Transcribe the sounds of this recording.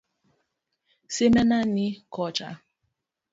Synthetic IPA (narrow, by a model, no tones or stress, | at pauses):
semɛnanikɔt͡ʃa̰